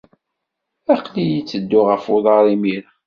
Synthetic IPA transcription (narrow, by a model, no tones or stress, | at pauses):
ɑqlijit͡sːəd̪ːʊʁəfoðˤɑɾˤimiɾ